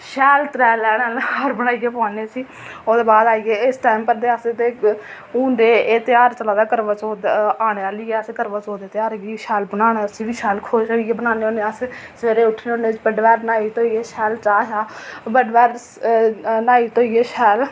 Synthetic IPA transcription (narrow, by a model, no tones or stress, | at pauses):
ʃɛːlt̪ɾɛːlɛːɽealəɾbəɽ̃aːijeːpãːneːsiː | oːd̪eːbaːd̪aːieːɪsʈɛːmpəɾd̪eːəst̪eː | ũːnd̪eːeːt̪ɪjaːɾt͡ʃəlaːd̪aːkəɾʋat͡ʃoːd̪aːɽ̃eːaːliːɛːəseːkəɾʋat͡ʃoːd̪eːt̪ɪjaːɾɡiʃɛːlbənaːnaːsĩːʋiːʃɛːlkʰoʃaieːbənaːneːoːneːasseːɾeːʊʈʰneːõːneːt͡ʃbəɖʋɛːɾnaːiːt̪oːieːʃɛːlt͡ʃaːʃaːbəɖʋɛːɾ | naːiːt̪oːiːeːʃɛːl